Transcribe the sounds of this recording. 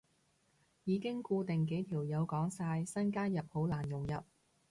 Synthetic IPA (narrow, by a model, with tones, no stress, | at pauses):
jiː˨˧kɪ˥ŋkuː˧t̪ɪ˨ŋk̬e˨˥jt̪ʰiː˨˩wjɐ˨˧wkɔː˨˥ŋsaː˧jsɐ˥nkaː˥njɐ˨p̚ho˨˥wlaː˨˩njʊ˨˩ŋjɐ˨p̚